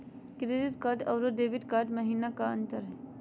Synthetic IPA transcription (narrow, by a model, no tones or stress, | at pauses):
kɾeːɖɪʈkaːʈɐːɾoɖeːʋɪʈkaːɾʈmɐɦiːnakaə̰̃nt̪əɾɦɛ